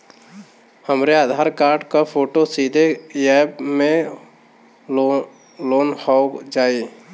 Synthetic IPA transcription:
həmɾead̪ʱaɾkaɾɖkapʰoːʈosid̪ʱejɛbmẽ | loːnhɔd͡ʒaːe

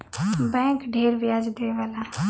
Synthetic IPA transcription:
bɛ̃ːŋkɖʱeːɾʋɪjaːd͡ʒd̪eʋalaː

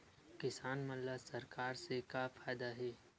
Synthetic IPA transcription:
kɪsaːnməlːasɐɾkaːɾsekafʰaːjd̪aɦɛː

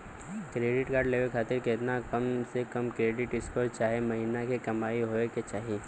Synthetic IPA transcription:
kɾeːɖɪʈkaːɖleːʋəlkʰaːt̪ɪɾkeɪt̪nakɐmsekɐmkɾeːɖɪʈɪskoɾt͡ʃaːɦemɐɦiːnakekɐmaːiɦoːeket͡ʃaːɦi

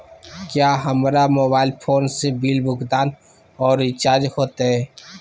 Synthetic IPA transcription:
kjaːɦəmɾamoːbaːɪlpʰoːnsebiːlbʊɡd̪aːn | ɔːɾɪt͡ʃaːɾd͡ʒhoːt̪aɦɛː

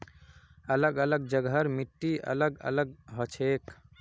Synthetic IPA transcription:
ələɡələɡ̚d͡ʒəɡɦəɾmiʈːiə̰ləɡə̰ləɡɦɔt͡ʃʰek

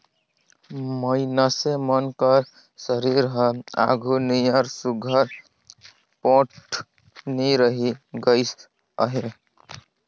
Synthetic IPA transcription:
məɪnasemənkəɾ | səɾiɾɦəa̰ɡʱuniaɾsuɡʱəɾ | põʈ | niɾəɦiɡəɪs | ə̰ɦe

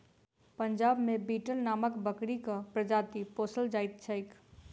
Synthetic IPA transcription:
pəɲd͡ʒaːbmebiːʈəlnaːməkbəkɽikapɾəd͡ʒaːt̪ipoːsəld͡ʒaːɪt̪̚t͡ʃʰəɪk

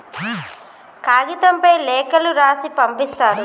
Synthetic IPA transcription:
kaːɡit̪ɐmpɐjlɛːkɐluɾaːsipɐmpist̪aːɾu

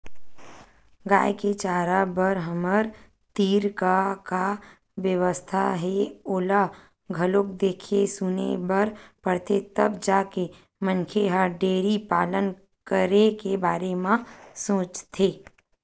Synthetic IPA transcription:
ɡa̰ːjeket͡ʃaːɾabəɾɦəməɾ | t̪iːɾkaka | ʋjəʋəst̪ʰaɦɛoːla | ɡʱəlok̚d̪eːkʰesʊnḛbəɾpəɽt̪et̪əbd͡ʒaːke | mə̃nkʰeɦaɖeːɾipaːlən | kəɾekebaːɾemãsõːt͡ʃt̪ʰeː

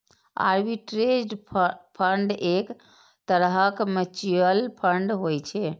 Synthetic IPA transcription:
a̰ɾbiʈɾed͡ʒɖpʰəɳɖek | t̪əɾɦəkmet͡ʃiəlpʰəɳɖɦojt͡ʃʰɛ

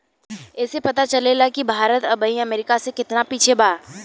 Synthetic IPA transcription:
ɛːsepɐt̪at͡ʃɐlelakibʱaːɾət̪ɐbəiɐmeːɾɪkasekɪt̪napiːt͡ʃʰebaː

